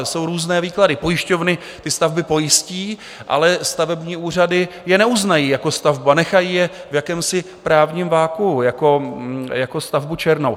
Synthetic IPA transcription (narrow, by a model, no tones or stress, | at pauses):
so̞wɾuːznɛːviːkladɪpo̞jɪʃcovnɪ | t̪ɪst̪avbɪpo̞jɪsciː | ʔa̰lɛst̪avɛbɲiːʔuːr̝adɪ | jɛnɛuznajiːjako̞st̪avbuanɛxajiːjɛvjakɛːmsɪ | pɾaːvɲiːmvaːkujako̞jako̞st̪avbut͡ʃɛɾno̞w